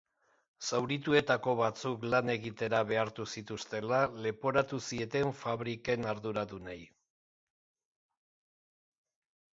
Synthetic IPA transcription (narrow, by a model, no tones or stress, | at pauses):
sawɾit̪ue̞t̪ako̞βat͡suklane̞ɣit̪e̞ɾaβe̞aɾt̪usit̪ust̪e̞lale̞po̞ɾat̪usie̞t̪e̞ɱfaβɾike̞naɾðuɾaðunaj